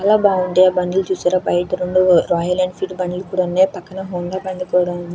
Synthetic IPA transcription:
aːlaːbaːuɳʈebɐnilt͡ʃuːsaːɾaːpɐjʈɐɾoɳɖuɾaːjɐɾlɐːɳɖpʰiːʈbɐnːilkuːɽanːeːpɐkːɐnɐɦoːŋɡ̪aːpɐnd̪ikɔːɽɐmɐnd̪i

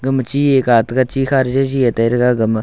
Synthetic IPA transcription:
ɡəmt͡ʃiːjekaːt̪kat͡ʃiːxaɾd͡ʒad͡ʒijet̪ɐiɾkaɡəm

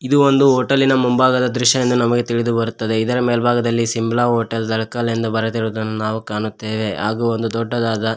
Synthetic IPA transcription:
id̪uond̪uɦoːʈɐlinɐmumbaːɡɐd̪ɐd̪ɾuʃjɐjend̪unɐmɐɡet̪iɭid̪ubɐɾut̪ːɐd̪e̞id̪ɐɾɐmeːlɐbʱaːɡɐd̪ɐlːisimblaːɦoːʈɐld̪ɐɭɐkaːlɐind̪ɐbɐɾɐt̪iɾoːd̪ɐnːunaːʋukaːnut̪ːe̞ːʋe̞ɦa̰ːɡuond̪ud̪ɔɖːɐd̪aːd̪ɐ

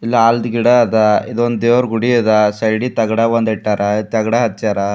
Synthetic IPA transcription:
ilːɐaːld̪ɡiɽad̪aid̪ond̪d̪eːʋɐɾɡuɽiɐd̪ɐsɐjɽit̪ɐɡɐɽɐʋɐnd̪ɛʈːaːɾɐit̪ɐɡɽaɦɐt̪ːt͡ʃaːɾɐ

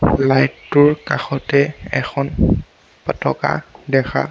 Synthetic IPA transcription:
lajtːʊɹkaxɔtɛɛ̰xʰɔn | pɔtɔka̰dɛxʰa̰

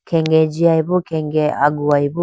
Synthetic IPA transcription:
kʰɛŋɡɛd͡ʒiaiβukɛŋɡɛa̰ɡuaibu

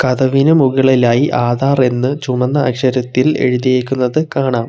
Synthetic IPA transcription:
kɐðɐʋinɨmuɣiɭilaːjiʔaːd̪ʱaːre̞nːɨt͡ɕumɐnːɐːkʂɐɾɐt̪ːile̞̰ɻuðijeːkʲːunːɐðɨkaːɳaːm

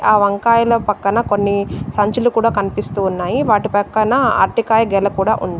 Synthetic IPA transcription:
ʔaːʋɐŋkaːjɐlɐpɐkːɐnɐkonːisɐɲt͡ʃulukuːɽaːkɐnipist̪uːnːaːjiʋaːʈipɐkːɐnɐa̰ɾʈikaːjɐɡɛlɐkuːɽa̰ːʔund̪i

